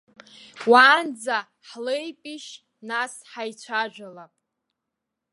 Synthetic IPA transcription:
waːnd͡za | ħlejpʼiʃ | nasħajt͡ɕʷʰaʒᶣʷalapʼ

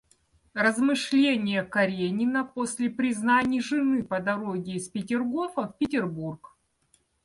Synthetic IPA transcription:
rəzmɨʂlʲenʲɪjəkɐɾʲenʲɪnəposʲlʲɪpɾʲɪznanʲɪjʐɨnɨpəd̪ɐɾoɡʲɪːspʲɪtʲɪrɡo̞fəfpʲɪtʲɪrburk

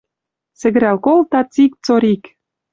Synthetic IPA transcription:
sɘ̆ɡɘ̆ɾælkolt̪ɑt͡sik̚t͡soɾik

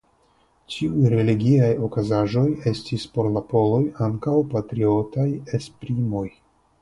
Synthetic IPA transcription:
t͡ʃiujɾe̞liɡiajo̞kazaʒo̞je̞stispo̞ɾlapo̞lo̞jaŋkawpatɾio̞taje̞spɾimo̞j

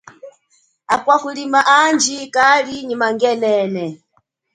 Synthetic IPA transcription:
akwahulimaʔand͡ʒikaliɲimaŋɡɛnɛːnɛ

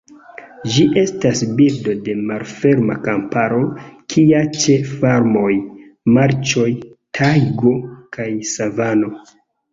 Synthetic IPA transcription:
d͡ʒiʔe̞stasbildo̞de̞malfe̞ɾma̰kampaɾokʰiat͡ʃe̞faɾmo̞j | maɾt͡ʃo̞jtʰajɡo̞kajsavano̞

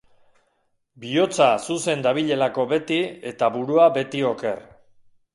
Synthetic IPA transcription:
bio̞t͡sasuse̞nd̪aβ̞iʎe̞lako̞βe̞t̪ie̞t̪aβuɾuaβe̞t̪io̞ke̞r

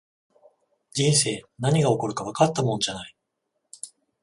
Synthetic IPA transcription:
d͡ʑĩɰ̃s̬e̞ːnaɲ̟iɡao̞ko̞ɾɯ̟kaβ̞akat̪ːamõnd͡ʑanai

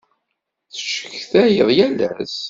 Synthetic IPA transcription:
θəʃə̥çθæjəðˤjælæ̰s

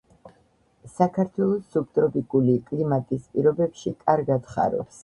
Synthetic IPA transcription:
sakʰaɾt̪ʰwɛlˠɔsːup̚t̪ʼɾɔpʼikʼulikʼlimat̪ʼispʼiɾɔbɛbʃikʼaɾɡad̪χa̰ɾɔ̰ps

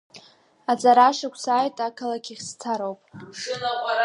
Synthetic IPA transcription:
ad͡zaɾaʂakʷʰsaːjtʼakʰalakʲʰiχʲst͡sʰaɾowpʼɨ

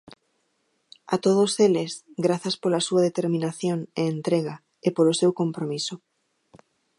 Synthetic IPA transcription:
at̪oð̞oselesɡɾaθaspolasuað̞et̪eɾmĩnaθjoneːnt̪ɾeɣa | epolosewkompɾomiso

